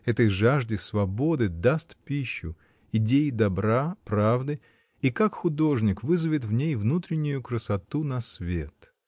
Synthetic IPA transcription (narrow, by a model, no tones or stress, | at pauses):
ɛt̪əjʐaʐdʲɪsvɐbo̞d̪ɨd̪ast̪pʲiɕːʊ̰ | ɪdʲejɪd̪ɐbɾapɾavd̪ɨ | ikakxʊd̪o̞ʐnʲɪkvɨzɨvʲɪt̪vnʲejvnut̪ɾʲɪnʲːʊjʊkɾəsɐt̪unɐsvʲet̪